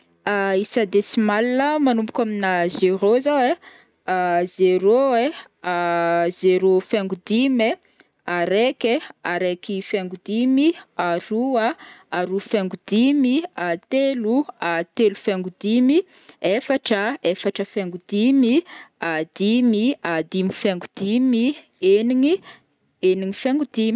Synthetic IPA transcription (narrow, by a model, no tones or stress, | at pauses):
aisad̪esimalinəmanumbu̥kʲaminazeɾozawe | azeɾoe | azeɾofeŋɡud̪ime | aɾekeaɾekifeŋɡud̪imiaɾuaaɾufaŋɡud̪imiat̪eluat̪elufaŋɡud̪imi | efaʈ͡ʂəefaʈ͡ʂəfaŋɡud̪imiad̪̥imiad̪imifaŋɡud̪̥imi | eniŋi | eniŋifaŋɡud̪imi